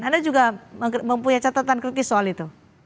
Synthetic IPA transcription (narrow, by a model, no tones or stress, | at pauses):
nandad͡ʒuɡaəməmpuɲat͡ʃat̪at̪ankɾit̪ɪsoalit̪u